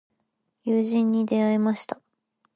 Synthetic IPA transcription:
jɯːʑĩɲ̟ːid̪e̞aemaɕi̥t̪ḁ

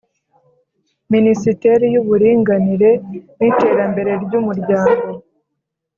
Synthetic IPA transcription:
minisite̞ɾijuβuɾiːŋɡaniɾe̞niːte̞ːɾambe̞ɾe̞ɾɟumuɾjɟaːŋɡo̞

